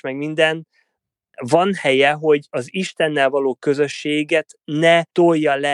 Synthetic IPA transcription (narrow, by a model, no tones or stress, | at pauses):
mɛɡmind̪ɛn | vɒnhɛjɛɦo̞ɟɒziʃt̪ɛnːɛlvɒloːkø̞zø̞ʃːeːɡɛt̪nɛt̪o̞jjːɒlɛ